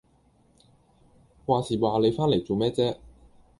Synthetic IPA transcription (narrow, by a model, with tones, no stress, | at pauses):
waː˨siː˨˩waː˨˧le˨˧jfaː˥nle˨˩jt͡so˨wmɛː˥t͡sɛː˥